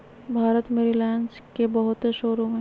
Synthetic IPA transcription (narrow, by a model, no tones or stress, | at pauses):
bʱaːɾət̪meɾilɛːnskebəɦʊt̪eʃʊɾuɦẽ